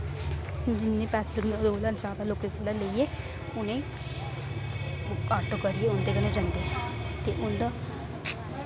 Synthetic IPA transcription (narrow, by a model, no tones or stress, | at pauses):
d͡ʒɪnːẽːpɛːsɪləmd̪oːlant͡ʃaːd̪aloːkekʰolaleieː | ʊnẽː | kaːʈokəɾieːʊnd̪ekəned͡ʒãnd̪et̪eːʔʊnd̪a